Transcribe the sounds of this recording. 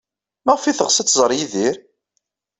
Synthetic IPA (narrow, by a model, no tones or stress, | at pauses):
mæʁfiθəʁsæt͡sːzˤɾˤjiðiɾ